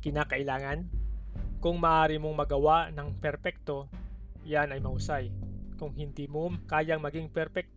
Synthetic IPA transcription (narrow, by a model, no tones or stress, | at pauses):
kɪnaːkɐʔɪlaːŋɐn | kʊŋmɐʔaːɾɪmoŋmɐɡɐwaʔnɐŋpɛɾpɛk̚t̪o̞janɐjmɐʔʊsajkʊŋhɪnd̪iːmokaːjɐŋmɐɡɪŋpɛɾpɛk̚t̪